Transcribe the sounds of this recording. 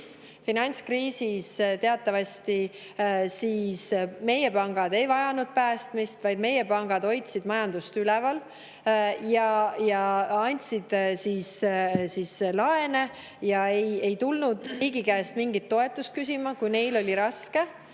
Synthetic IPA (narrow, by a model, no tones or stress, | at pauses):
s | finɑnʲt̪skriːsist̪e̞ɑt̪ːˑɑvɑst̪i | siːsme̞je̞pɑŋɡ̥ɑd̪e̞jvɑjɑnud̪̥̚pæːst̪mist̪vɑjd̪̥me̞je̞pɑŋɡ̥ɑd̪̥o̞jt̪sid̪mɑjɑnd̪̥ust̪ylɛvɑl | jɑjɑɑnʲt̪ʲsid̪̥siːssislɑe̞ne̞ | jɑeje̞jt̪ulnud̪̥riːɡikæest̪miŋɡit̪ːo̞e̞t̪ːˑust̪̚kysʲimɑkujne̞jlo̞lʲiɾɑske̞